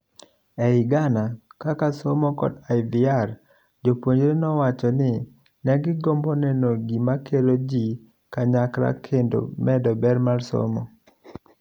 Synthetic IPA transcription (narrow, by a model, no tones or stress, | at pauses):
ɛɪɡanakakasomɔkɔ̰dajviar | d͡ʒopwoɲd͡ʒɾenɔwat͡ʃɔnɪ | nɛɡɪɡɔmbɔnɛnoɡimakeɾod͡ʒi | kaɲakɾa̰kʰendo̰mɛdɔbɛɾmalsɔ̰mɔ̰